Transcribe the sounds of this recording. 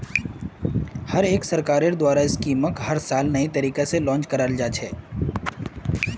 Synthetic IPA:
hɐɾeːksɐɾkaːɾed̪waːɾaɪskiːməkhɐɾsaːlnɐit̪ɐɾiːkeselɔ̃ːnt͡ʃkɐɾaːld͡ʒaːt͡ʃʰɛː

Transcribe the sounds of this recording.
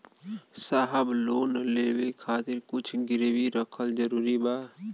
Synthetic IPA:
saːɦəbloːnəleːwekʰaːt̪ɪɾkʊt͡ʃʰɡɪɾwiɾəkʰəld͡ʒəɾuːɾibaː

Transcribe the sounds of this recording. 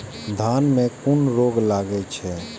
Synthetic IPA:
d̪ʱanmẽkunɾoɡlaɡɛt͡ʃʰɛ

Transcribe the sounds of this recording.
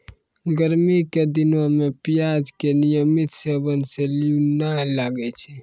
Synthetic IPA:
ɡəɾmiked̪ɪnomẽpijaːd͡ʒkenijəmit̪sebənselunalaːɡɛt͡ʃʰe

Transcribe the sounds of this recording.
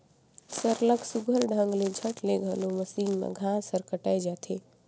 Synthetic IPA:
səɾləksuɡʱəlɖʱə̃ŋɡled͡ʒʱəʈleɡʱəloməsiŋɡnə̰ɡʱasəɾkəʈajd͡ʒat̪ʰe

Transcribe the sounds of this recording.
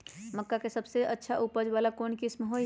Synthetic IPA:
mɐkːakesɐbseʔɐtːʃʰaʔupəd͡ʒʋaːlakoːnkɪsmɦoː

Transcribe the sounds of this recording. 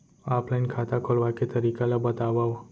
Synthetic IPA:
aplajnkʰat̪akʰolʋaket̪əɾikalabət̪aʋao

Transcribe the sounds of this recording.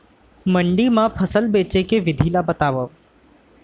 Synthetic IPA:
məɳɖimãpʰəsəlbeːt͡ʃekeʋɪd̪ʱiːlabət̪aːʋə

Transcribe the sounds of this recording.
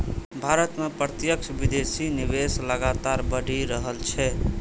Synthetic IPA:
bʱaɾət̪mepɾət̪jəkt͡ʃʰbid̪esiniʋesləɡat̪aɾbəɽʱiɾəɦəlt͡ʃʰɛ

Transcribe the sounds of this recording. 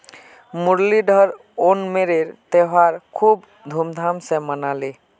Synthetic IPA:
muɾliɖʱəɾ | onmeɾeɾt̪eɦaɾkʰub | d̪ʱumd̪ʱamsẽmənali

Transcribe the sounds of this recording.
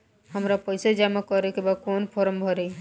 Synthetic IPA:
hamɾapɔjsed͡ʒamakɔɾekebakonpʰɔɾɔmbʱɔɾe

